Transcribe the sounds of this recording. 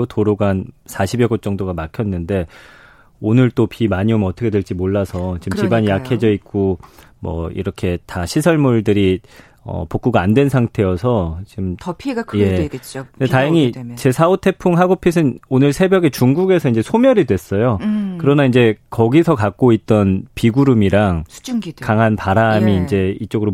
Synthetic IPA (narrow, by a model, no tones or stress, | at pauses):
otoɾoɡansʰaɕʰibjʌɡot̚t͡ɕ͈ʌŋdoɡamakʰjʌnːɯnde̞ | onɯɭt͈opimaɲiomʌtʰʌkʰe̞dweɭt͡ɕ͈imoɭːasʰʌt͡ɕimt͡ɕibaɲjakʰe̞d͡ʑʌik͈o | mʌ̰ḭɾʌkʰe̞taɕʰisʰʌɭmuɭdɯɾi | ʌ̰pok͈̚uɡaːndwe̞nsʰaŋtʰe̞jʌsʰʌt͡ɕiɯmʰje̞t͡ɕkɯndetajʌŋit͡ɕe̞sʰaotʰe̞pʰuŋɦaɡopʰis̬ʰɯnonɯɭsʰe̞bjʌɡe̞t͡ɕuŋɡuɡe̞sʰʌind͡ʑe̞sʰomjʌɾidwe̞s͈ʌjokɯɾʌnaind͡ʑe̞kʌɡisʰʌkak̚k͈oit̚t͈ʌnpiɡuɾumiɾaŋkaŋɦanpaɾamiːnd͡ʑe̞it͡ɕ͈oɡɯɾo